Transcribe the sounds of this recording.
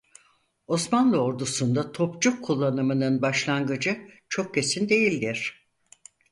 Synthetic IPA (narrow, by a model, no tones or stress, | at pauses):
o̞smanlˠɯo̞ɾd̪usund̪at̪ʰo̞pd͡ʒukʰːulˠːanɯmɯnɯnbaʃlˠanɡɯd͡ʒɯt͡ʃʰo̞k̚ce̞sind̪e̞jilʲd̪iɾ̥